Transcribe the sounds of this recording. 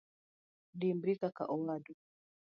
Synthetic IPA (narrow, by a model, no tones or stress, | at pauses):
dimbɾikaka̰ʔɔladu